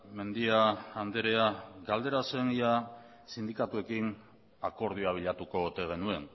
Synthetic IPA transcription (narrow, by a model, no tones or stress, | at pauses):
me̞nd̪iaːnd̪eɾe̞aɡald̪e̞ɾase̞nia | sind̪ikat̪ue̞kin | ako̞ɾð̞uaβ̞iʎat̪uko̞ut̪e̞ɣ̞e̞nue̞n